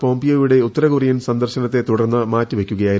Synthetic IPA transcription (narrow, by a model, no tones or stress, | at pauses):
po̞ːmbijoːjuɽe̞ut̪ːɐɾɐɣurijunsɐnd̪ɐrɕɐnɐt̪ːe̞t̪uɽɐrnːɨmaːtːɨʋe̞kʲːuɣɐjaːji